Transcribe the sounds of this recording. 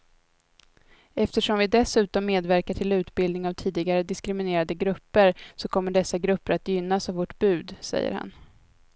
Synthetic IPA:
ɛft̪əʂɔmvɪd̪ɛsʉ̟ːt̪ɔmːeːd̪væɾkaʈʰɪlʉ̟ːt̪bɪld̪nɪŋavt̪ʰiːd̪ɪɡaɾəd̪ɪskɾɪmɪneːɾad̪əɡɾɵpːəɾsɔkʰɔmːəɖɛsːaɡɾɵpːəɾat̪jʏnːasavvoːʈb̥ʉ̟ːd̪sɛ̰jːə̰ɾha̰n

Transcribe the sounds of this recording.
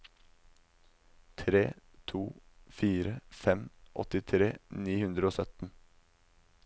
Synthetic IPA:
t̪ʰɾeːt̪ʰuːfiːɾəfɛmʔɔ̰t̪ɪt̪ʰɾeːniːhʉnd̪ɾəoːsœt̪n̩

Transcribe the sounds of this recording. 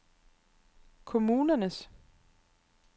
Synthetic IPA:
kʰʊmʉːnənəs

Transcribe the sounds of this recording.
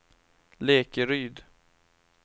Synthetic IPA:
leːkəɾyːd̪

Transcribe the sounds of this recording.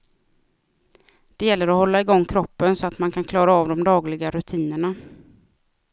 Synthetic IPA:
d̪̥ɛjɛlːəɾɔhɔlːaɪɡɔŋːkʰɾɔpːənsɔat̪mankʰankʰlɑːɾaɑvd̪ɔmd̪ɑːɡlɪɡaɾɵt̪ʰiːnəɳa

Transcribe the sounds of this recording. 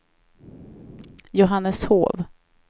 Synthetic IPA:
jʊɦanːəsho̰ːv

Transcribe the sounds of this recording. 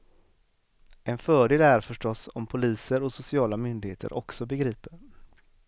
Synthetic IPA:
ɛnfœːɖeːlæɾfœʂʈɔsɔ̰mpʰʊliːsəɾɔsʊsɪɑːlamʏnd̪ɪɡeːt̪ʰə̰ɾʔɔ̰ksɔbɛɡɾiːpəɾ

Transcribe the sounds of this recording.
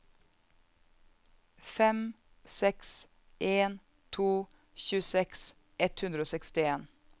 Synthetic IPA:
fɛm | sɛks | ʔeːn | t̪ʰuː | çʉːsɛks | ʔɛt̪hʉnd̪ɾəoːsɛkst̪ɪeːn

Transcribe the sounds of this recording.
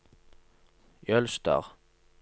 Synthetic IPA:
jœlst̪ɑ̰ʁ

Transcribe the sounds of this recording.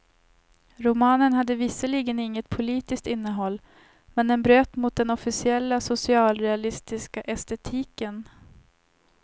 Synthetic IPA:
ɾʊmɑːnənhad̪ːəvɪsəliːɡənɪŋːət̪̚pʰʊliːt̪ɪskt̪ɪnːəɦɔlː | mɛnd̪ɛnbɾøːt̪mʊt̪̚d̪ɛnɔfɪsɪɛlːasʊsɪɑːlɾɛalɪst̪ɪskaʔɛst̪ɛt̪ʰiːkən

